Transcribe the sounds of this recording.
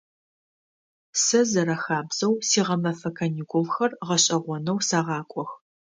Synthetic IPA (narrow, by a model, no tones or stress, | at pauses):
sɐzɐɾɐxaːbz̥ɐwsiːʁɐmɐfɐkʰɐnikʷʊlxɐrʁɐɕʼɐʁʷɔnɐwsaːʁɑːkʷʼɔx